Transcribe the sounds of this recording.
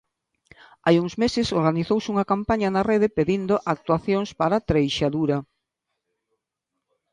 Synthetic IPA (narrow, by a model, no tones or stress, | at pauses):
ajuŋzmesɪsoɾɣaniθowsuŋakampaɲanareðepeðind̪oʔak̚t̪waθjoŋspaɾat̪ɾejʃaðuɾa